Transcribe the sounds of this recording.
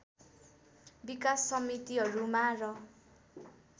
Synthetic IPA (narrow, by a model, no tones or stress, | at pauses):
bikasːʌmit̪iɦʌɾumarʌ